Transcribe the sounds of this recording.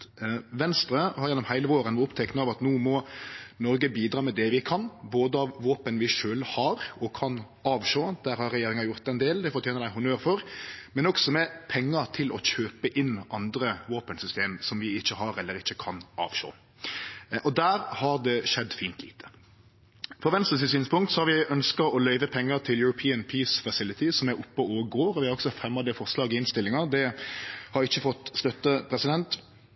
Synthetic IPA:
ʋɛnst̪ɾəhɑɾjɛnːɔmhæɪləʋoːɾənʊpt̪ʰɛknəɑʋɑt̪nuːmɔnɔɾɡəbiːd̪ɾɑːmɛd̪ɛʋɪkʰɑnboːd̪əɑʋʋoːpənʋɪʃøːlhɑɾɔkʰɑn | ɑːʋʃoːd̪̥æːɾhɑɾːɛjeːɾɪŋɑjʊɾt̪ɛnd̪eːld̪ɛfɔɾt̪jeːnəɾæɪɦʊnøːɾfɔɾmɛnɔksɔmɛpʰɛŋːɑt̪ʰɪlʔɔçøːpəʔɪnːɑnd̪ɾəʋoːpənsʏst̪eːmsɔmʋɪɪçːəhɑɾɛlːəɾɪçːəkʰɑnʔɑ̰ːʋʃo̰ː | ʔɔd̪æːɾhɑɾd̪ɛʃɛd̪ːfiːnt̪ʰlḭːt̪ʰə̥ | fɔɾʋɛnst̪əs̬ɪsyːnspʊŋkt̪sɔhɑɾʋɪʔœnskɑɔlœʏʋəpʰɛŋːəɾt̪ʰɪljʊɾʊpʰiːənpʰiːsfɑsɪlːɪt̪ɪsɔmæʊpːəoːɡoːɾɔʋɪhɑɾɔɡsɔfɛmːɑd̪ɛfɔɾslɑːɡɪɪnst̪ɪlɪŋɑd̪ɛhɑɾɪçːəfɔt̪ːst̪œt̪ːəpʰɾɛsɪd̪ɛnt̪

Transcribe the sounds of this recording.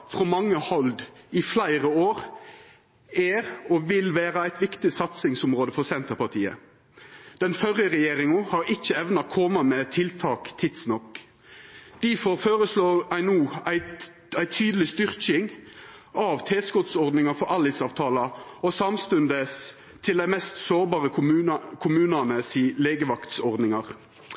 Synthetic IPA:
fʁɔmɑŋːəhɔld̪ɪflæɪʁəoːʁ | æːɾɔʋɪlʋæːɾəæɪt̪ʋɪkt̪ɪsɑt̪sɪŋsʊmʁoːd̪əfɔʁsɛnt̪əɾpɑʁt̪ʰḭːə̰ | d̪̥ɛnfœɾjəʁɛjeːɾɪŋʊhɑɾɪçːəɛʋnɑkʰɔmɑmɛt̪ʰɪlt̪ʰɑːkt̪ʰɪd̪snɔkː | d̪̥æfɔʁføːʁəsloːʁæɪnuːæɪ | æɪt̪ʰyːd̪əlɪst̪ʏʁkɪŋʔɑʋt̪ʰeːskɔt̪sɔʁd̪nɪŋɑfɔɾɑlɪsɑːʋt̪ʰɑːlɑɔsɑmst̪ʉnd̪əs | t̪ʰɪld̪æɪmɛst̪soːɾbɑːʁəʉkʰʊmʉːnɑnəsiːleːɡəʋɑkt̪sɔʁd̪nɪŋɑʁ

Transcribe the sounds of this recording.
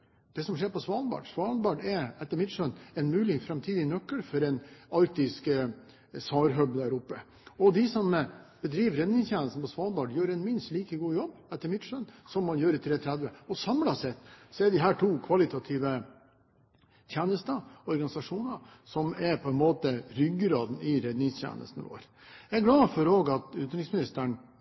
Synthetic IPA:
d̪̥ɛsɔmʂeːɾpʰɔsʋɑːlbɑ̰ːɖsʋɑːlbɑɖɛɾɛt̪ːəɾmɪt̪ʂœnɛnmʉːlɪŋfɾɛmt̪ʰiːd̪ɪnœkːəlfɔɾɛnɑɾk̚t̪ɪsk | sɑːɾɦœbd̪æːɾʊpːə | ɔd̪ɪsɔmb̥əd̪ɾiːʋɾɛd̪nɪŋst̪jæːnəst̪n̩pʰɔsʋɑːlbɑɖjøːɾɛnmɪnst̪liːkəɡuːjɔbːɛt̪ːəɾmɪt̪ʂœnsɔmːɑnjøːɾət̪ʰɾeːt̪ʰɾæd̪ʋəɔsɑmlɑsɛt̪ːsɔɛd̪ɪɦæːʈʰuːkʰʋɑlɪt̪ʰɑt̪ʰɪʋə | t̪ʰjæːnəst̪əɔɾɡɑnɪsɑʂuːnə | sɔmɛɾpʰɔɛnmoːt̪əɾʏɡːɾɑːd̪n̩ɪɾɛd̪nɪŋst̪ʰjæ̰ːnə̰st̪n̩̰ʋo̰ːɾ | æɡlɑːfɔɾoːɡɑt̪ʉːt̪nɾɪŋsmɪnɪst̪əɳ

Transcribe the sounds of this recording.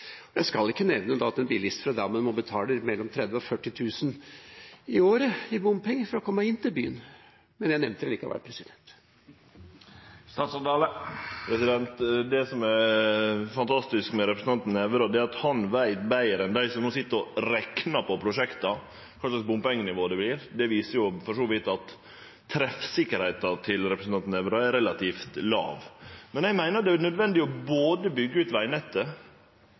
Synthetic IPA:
ɔjæɪskɑlɪkːənɛʋnəd̪ɑɑt̪ɛnbiːlɪst̪fɾɑd̪æmɑnmɔbət̪ʰɑːləɾmɛlːɔmt̪ʰɾɛd̪ʋəɔfœʈːɪt̪ʰʉːsən | ɪoːɾəɪbʊmpɪŋːfɔɾɔkʰɔmːəɪnːt̪ɪlbyːən | mɛnjæɪnɛʋnt̪əɾɛliːkɑ̰ʋæ̰ɾpʰɾɛsɪd̪ɛnt̪ | st̪ɑːt̪sɑd̪ɑːləpʰɾɛsɪd̪ɛnt̪d̪ɛsɔmɛɾ | fɑnt̪ʰɑst̪ɪskmɛɾɛpɾəsn̩ɑnt̪n̩ɛʋəɾɔd̪ɛæɾɑt̪hɑnʋæɪt̪bæɪəɾɛnd̪æɪsɔmnuːsɪt̪ːəɾɔɾɛknɑpʰɔpʰɾʊʂɛkt̪ɑ | kʰɑllɑk̚bʊmpɛŋːnɪʋoːd̪ɛbliːɾd̪ɛʋiːsəɾjʊfɔʂoːʋɪt̪ɑt̪ʰː | ɾɛfsɪkːəɾhæɪt̪ɑt̪ʰɪlɾɛpɾəsn̩ʰɑnt̪nɛʋɾɑɛɾɛlɑt̪iːft̪lɑ̰ːʋmɛnæɪmæɪnəɾɑt̪d̪ɛænœd̪ʋɛnd̪ɪɔboːd̪əbʏɡːəʉːt̪ʋæɪnɛt̪ːə

